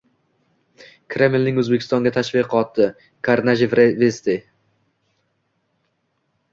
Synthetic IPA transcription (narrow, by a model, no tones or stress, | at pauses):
kʰɾe̞mɪlnɪŋɵzbekʲʰɪst̪ɒŋɡʲat̪ʰaʃvɪqʰɒt̪ːɪ | kʰaɾnaʒɪvɾevest̪e